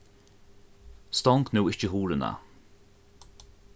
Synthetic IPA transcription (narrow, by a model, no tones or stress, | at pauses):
st̪ɔŋknuwɪt͡ʃəɦuːɾəna̰